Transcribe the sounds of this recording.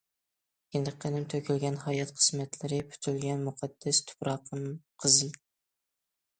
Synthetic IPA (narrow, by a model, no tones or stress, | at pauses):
jend̪ɨqʰːənɪmt̪ʰøkʲʰylɡʲɛnhɑːjɛt̪qʰə̥smɛt̪ʰlɪɾɪpʰy̥t̪ʰylɡʲɛnmuqʰɑd̪̥ːɛst̪ʰʊ̥pɾɑqəmqʰəzɨ